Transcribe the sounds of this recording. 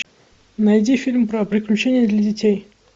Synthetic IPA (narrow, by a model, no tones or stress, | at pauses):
nɐjdʲifʲilʲmpɾəpɾʲɪklʲʉt͡ɕenʲɪjəd̪lʲɐdʲɪtʲej